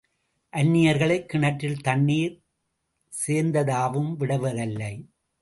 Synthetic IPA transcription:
ʔɐnːɪjɐɾɣɐɭɐɪkːɪɳɐʈːɪlt̪ɐɳːiːɾ | seːɾnd̪ɐðaːʋɯmʋɪɽɐʋɐðɐlːɐɪ

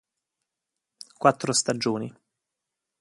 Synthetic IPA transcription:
kwat̪ːɾost̪ad͡ʒoːni

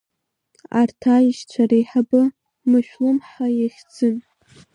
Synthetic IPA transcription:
artʰaiʃt͡ɕʷʰaɾejħabɨ | mɨʃᶣlɨmħajaχʲd͡zɨn

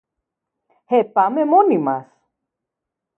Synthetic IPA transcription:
hepamemonimas

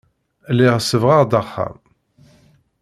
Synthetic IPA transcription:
lːɪʁsːəvʁɑʁd̪ɑχːæ̰m

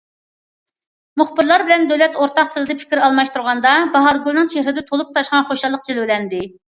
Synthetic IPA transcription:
muχbɪɾlˠɑɾbɪlɛnd̪ølɛt̪oɾt̪ʰɑq̚t̪ʰɨlˠɨd̪ɪpʰɪ̥kʲɾɑlˠmɑʃt̪uɾʁɑnd̪ɑbɑɦɑɾɡulˠnɨŋt͡ʃʰehɾɪd̪ɛt̪ʰolˠup̚t̪ʰɑʃqɑnχoʃɑlˠːəq̚t͡ʃʰilwɪlɛnd̪ɪ

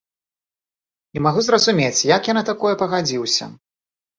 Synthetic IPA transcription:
imaɣuzrɐzumʲet͡sʲjakjanat̪akɔjɛpɐɣad͡zʲiwsʲɐ̰

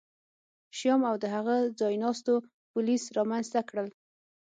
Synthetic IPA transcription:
ʃjɑmawd̪əɦaɣad͡zɑjnɑst̪o | pʊlisɾɑmanzt̪akɽəl

